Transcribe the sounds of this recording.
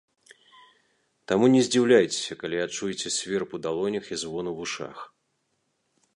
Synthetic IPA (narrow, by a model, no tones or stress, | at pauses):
t̪amunʲɛzʲd͡zʲiwlʲajt͡sʲɪ̥sʲɐkalʲiat͡ʂujt͡sʲɛsʲvʲɛrpud̪alˠɔnʲɐxizvɔnuvuʂa̰x